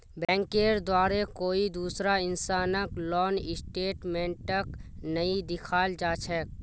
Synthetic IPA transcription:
bɛ̃ːŋkeːɾd̪waːɾekoːid̪uːsɾaɪnsaːnəklɔːnɪsʈeːʈmẽːɳʈʈəknəid̪ɪkʰaːld͡ʒaːt͡ʃʰɛːk̚

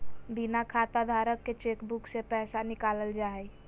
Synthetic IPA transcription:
binakʰat̪ad̪ʱaɾəkːet͡ʃekbuksepɛɦsanikaləld͡ʒaɛj

